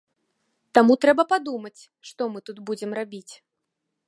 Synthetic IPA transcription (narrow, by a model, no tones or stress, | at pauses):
t̪amut̪ɾɛbɐpad̪umɐt͡sʲ | ʂt̪ɔmɨt̪ud̪bud͡zʲɛmrabʲit͡sʲ